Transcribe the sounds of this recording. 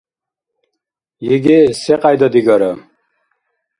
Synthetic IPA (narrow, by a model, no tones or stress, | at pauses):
jiɡisɛqʼajd̪ɔd̪iɡɔɾɔ